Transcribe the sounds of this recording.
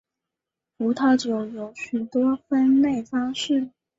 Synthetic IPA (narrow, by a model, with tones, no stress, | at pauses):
u˧˥t̪ʰɑ˥˩ʊt͡ɕjo˨˩ʊjo˧˥ʊɕy˨˩t̪wɔ˥fə˥nle˥˩ɪfɑ˥ŋʂɻ̩˥˩